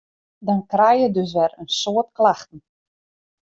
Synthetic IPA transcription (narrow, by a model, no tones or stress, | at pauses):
dɔnkrɛjədøs̬ʋɛrənsoətklaxtən̩